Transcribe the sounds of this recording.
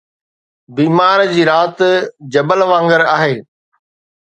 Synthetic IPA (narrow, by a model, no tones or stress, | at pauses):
biːmaːɾd͡ʑiːɾaːt̪d͡ʑɐbəlʋãːŋɡəɾaːɦeː